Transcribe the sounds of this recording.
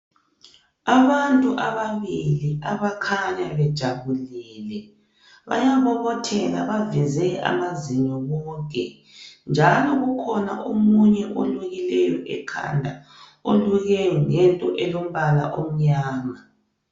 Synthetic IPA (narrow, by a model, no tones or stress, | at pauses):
aβantʼuʔaβaβiliaβakʰaɲaβɛd̥ʒ̥ʱaβuliːlɛ | βa̰jaβɔβɔtʰɛlaβavizɛa̰maziɲɔβɔːŋk̬ʰʼɛ | nd͡ʒʱalɔɣukʰɔna̰ʔomuɲɛʔoluɣilɛjɔʔɛ̰kʰa̰ndʱa | oluɣɛŋɛntʼɔʔɛlom̩βala̰ʔom̩ɲaːma